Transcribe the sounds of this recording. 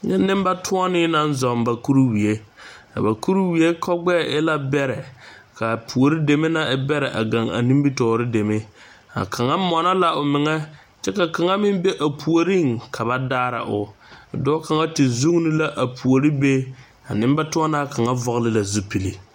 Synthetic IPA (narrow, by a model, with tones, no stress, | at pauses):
ɲɛ˦nː˦ɪ˦m˦ba˦tʰʊ˦ɔ˦nɪ˦na˦n˦zɔ˨mba˨ku˦ɾu˦wi˨e˦ka̰˨ba˨ku˦ɾu˦wi˨e˦kʰɔ˦ɡ͡bɛ˦˨ʔɪ˦la˦bɛ˦ɾɛ˨ka˨pʰu˨o˨ɾi˦de˨me˦na˦ɪ˦bɛ˦ɾɛ˨ʔa̰˨ɡa˨ŋa̰˨ni˦m˦bi˦tɔː˨ɾɪ˦de˨me˦ | a̰˨kʰa˨ŋa˦mɔ˨na˦la˦ʊ˨mɪ˨ŋɛ˦ | t͡ʃɛ˦ka˨ka˨ŋa˦mɪ˦mbe˦ʔa˨pʰu˨o˨ɾi˦ŋkʰa˨ba˦daː˦ɾa̰˨ʔʊ̰˨dɔ˦ka˨ŋa˦tɪ˨zu˦ŋ˦nɪ˦la˦ʔa˨pʰu˨o˨ɾi˦be˦ | a̰˨nɪ˦m˦ba˦tʊ˦ɔ˦na˦˨ka˨ŋa˦vɔ˦˨ɣlɪ˦la˨zu˦pi˨li˨